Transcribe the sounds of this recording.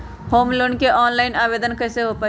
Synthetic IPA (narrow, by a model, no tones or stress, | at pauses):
homloɳkeʔɔnlaɪnabed̪ənkəjseɦopə